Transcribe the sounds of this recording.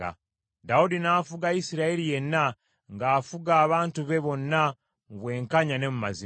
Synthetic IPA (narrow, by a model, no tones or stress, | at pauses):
a̰ | daudinaːfuɡaisiɾaeɾije̞nːa | ŋɡaːfuɡaːβaːntuβe̞βo̞nːa | muβwe̞ːŋkaɲane̞muma̰zi